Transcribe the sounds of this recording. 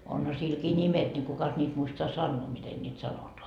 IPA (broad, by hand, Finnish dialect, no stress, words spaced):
onhɑ silkiː nʲimet nʲi kukɑs nʲiːt muistoɑ sɑnːoː miten nʲiːt sɑnotoɑ